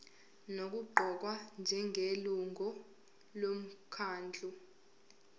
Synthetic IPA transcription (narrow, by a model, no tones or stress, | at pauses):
nok̬uɡ͡ǃʱɔk̬wand͡ʒʱɛŋʱeluŋʱɔ | lom̩kʰaːnd͡ɮʱu